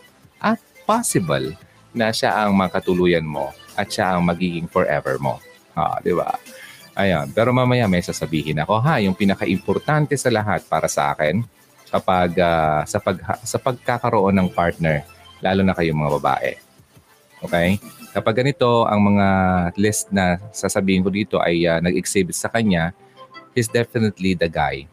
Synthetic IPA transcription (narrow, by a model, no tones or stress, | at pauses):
ʔɐt̪̚pasɪbɐ̰l | nɐʃa̰ʔɐŋmɐakɐt̪ʊluːjɐnmo̞̰ʔɐt̪̚ʃaʔɐŋmɐɡiːɡɪŋfɔɹʔɛ̰vɛ̰ɹmo̞̰ | ʔa̰d̪ɪba̰ʔɐjanpɛːɾo̞maːmɐjamɐjsaːsɐbiːhɪnɐko̞ɦajʊŋpinɐkaʔɪmpoɾt̪ant̪ɛsɐlɐɦat̪̚paːɾɐsɐʔa̰ːkɛn | kɐpaɡasɐpɐɡhɐ̰sɐpɐɡ̚kakɐɾoʔo̞nːɐŋpaɹt̪̚nɛɹlʔaːlonɐkɐjʊŋmɐŋabɐba̰ːʔɛ̰ | ʔoːkɛjkɐpaɡ̚ːɐnɪt̪o̞ʔɐ̰ŋmɐŋalɪst̪̚nɐsasɐbiːhɪnkod̪iːt̪o̞ʔɐjanɐɡɛksɪbt̪sɐkɐɲa | ʔɪs̬d̪ɛfɪnɛt̪lid̪ɐɡaj